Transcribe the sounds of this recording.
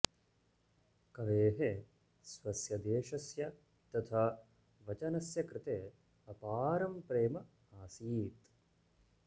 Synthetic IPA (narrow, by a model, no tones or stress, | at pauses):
kɐʋeːɦe | sʋɐsjɐd̪eːʂɐsjɐ | t̪ɐt̪ʰaː | ʋɐt͡ʃɐnɐsjɐkɾɪt̪eː | ɐpaːɾɐmpɾeːmɐ | aːsiːt̪